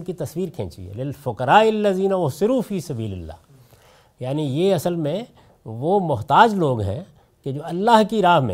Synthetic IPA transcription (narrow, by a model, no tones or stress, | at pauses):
kit̪ɐswiːɾkʰḛ̃ːt͡ʃiḛlɪlfʊkɐɾaːɪlːɐziːnaʊɦsɪɾufiːsɐbiːlɪlːa̰ː | jaːnijeɐsəlmẽ | ʋomʊɦt̪aːd͡ʒloːɡɦɛ̰̃ː | ked͡ʒoːɐlːaɦkiɾaːɦmḛ̃